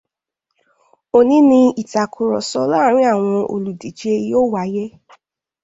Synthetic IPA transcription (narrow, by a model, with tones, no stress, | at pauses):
o˦˨nĩ˨˦nĩ˧i˨ta˨kʰu˨ɾɔ˨sɔ˦la˦˨ɾ̃ĩ˦a˦˨w̃ɔ̃˧ʔo̰˧lu˨di˨˦d͡ʒe˧i˦jo˦wa˨˦jɛ˦